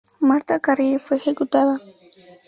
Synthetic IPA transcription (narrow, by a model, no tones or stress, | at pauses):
maɾt̪akaɾifexekʊt̪ad̪a